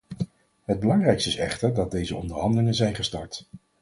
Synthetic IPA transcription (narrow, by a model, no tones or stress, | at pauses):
ɦəd̚bəlɑŋrɛjkstɪsɛ̰χtəɹdɑt̚dejzəɔndəɹɦɑndəlɪŋənzɛjnχəstɑɹt